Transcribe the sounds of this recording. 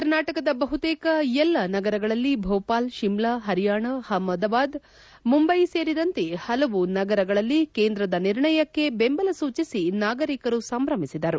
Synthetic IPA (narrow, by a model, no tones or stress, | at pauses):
kɐɾnaːʈɐkɐd̪ɐbɐɦut̪ɛːkɐɛlːɐnɐɡɐɾɐɡɐɭɐlːibʱɔːpaːlʃimɭaɦɐɾijaːɳɐhɐmːɐd̪ɐbaːd̪ | mumbɐjse̞ːɾid̪ɐnt̪e̞hɐlɐʋunɐɡɐɾɐɡɐɭɐlːikeːnd̪ɾɐd̪ɐniɾɳɐjɐkːe̞bembɐlɐsuːt͡ʃisinaːɡɐɾikɐɾusɐmbɾɐmisid̪ɐɾu